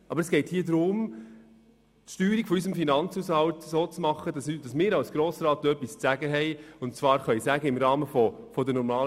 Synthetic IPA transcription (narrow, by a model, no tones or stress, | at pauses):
ʔɑbəɾəsɡ̥ɛɪthiːəd̪ɾʊm | tʃtyːɾiɡ̥fɔys̬əmfinɑnt͡suːshɑltsoːt͡smɑχədɑsd̥ɑsmɪːɾɑwsɡ̥ɾoːsɾɑːtœpːist͡sæɡəɦɛɪʊnt͡svɑːɾχœisæɡəɪmɾɑːməfɔ | fɔdənɔɾmɑːl